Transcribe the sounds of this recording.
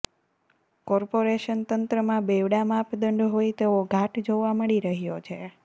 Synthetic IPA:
kɔɾpoɾeʃənt̪ənt̪ɾəmãbeʋɽamãpd̪əɳɖɦojt̪eoɡʱaʈd͡ʒoʋaməɭiɾəɦjot͡ʃʰe

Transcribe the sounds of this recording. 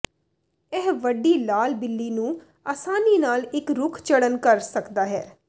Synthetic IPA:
ɛːʋəɖiːlaːlbɪlːiːnũː | aːsaːniːnaːlɪkɾʊkʰt͡ʃəɽənkəɾsəkd̪aːɦɛː

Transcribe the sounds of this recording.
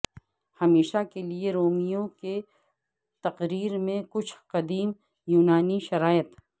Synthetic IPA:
hɐmeːʃakelieɾoːmijõke | t̪ɐqɾiːɾmẽkʊt͡ʃʰqɐd̪iːm | juːnaːniʃɐɾaːjət̪

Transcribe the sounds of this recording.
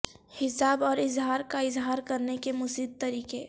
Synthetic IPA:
hɪsaːbɔːɾɪzɦaːɾkaɪzɦaːɾkɐɾnekemʊsiːd̪̚t̪ɐɾiːke

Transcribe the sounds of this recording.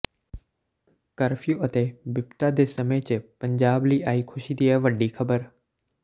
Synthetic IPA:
kɐɾfijuɐt̪ebɪpt̪ad̪eːsɐmet͡ɕəpɐ̃ɲd͡ʑaːbliːʔaːiːkʰʊʃid̪iaʋɐɖixʰɐbəɾ

